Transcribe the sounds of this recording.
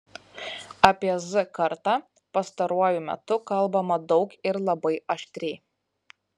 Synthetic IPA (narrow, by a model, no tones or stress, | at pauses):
ɐpʲiɛzʊkɐɾt̪ɑː | pɐst̪ɐɾuɔjʊmʲɛ̰t̪ʊkɐlˠbɐmɐd̪ɒʊkɪɾlˠɐbɐɪɐʃʲt̪ʲɾʲɛɪ